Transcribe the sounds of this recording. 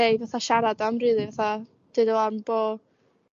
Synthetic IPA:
ejvaθaʃaɾadamrɨðɨvaθa | d̥ɨdɔlanb̥o

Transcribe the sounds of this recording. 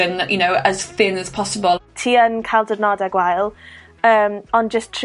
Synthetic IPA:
ə̃njʔənoʊəz̥θɪ̃nəz̥pʰɒsəbəltʰiːənkʰalˠdədnɔdaɡwajlˠ | əːmɔnd͡ʒəstʰ

